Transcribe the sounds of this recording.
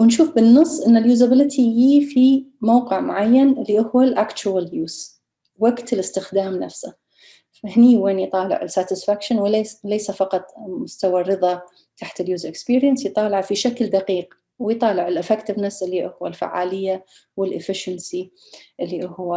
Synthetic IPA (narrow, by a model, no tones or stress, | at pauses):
wɪnʃuːfbɪnːɨsˤːʔɪnːaljuːzabɪlɪt̪ʰijiːfimawqɪʕmʊ̰ʕajːanʔɪlːiʔʊhwːalʔaːkt͡ʃʊwaljuːz̥ | waɡt̪ɪlɪst̪ɪxd̪aːmna̰fsa | ahniːweːnjt̪ˤɑːlɪ̰ʕɪlsaːt̪ɪsfakʃanwlejsafɑqɑt̪ˤmʊst̪awarːɨðˤɑ | t̪ʰaħt̪ɪljuːzʔɪkspiːɾjansjt̪ˤɑːlɪʕfiʃakld̪aqiːq | wɪjt̪ˤɑːlɪʕɪlʔɪfɛkt̪ɪvnasʔɪlːiʔʊhwalfa̰ʕːaːlɪjːa | wɪlʔɪfɪʃansi | ʔɪlːiʔʊhwa